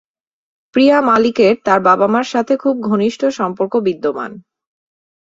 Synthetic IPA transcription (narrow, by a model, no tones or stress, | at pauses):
pɾijamalikeɾt̪aɾbabamaɾʃat̪ʰekʰub̚ɡʱoniʃʈʰoʃɔmpoɾkobid̪ːoma̰n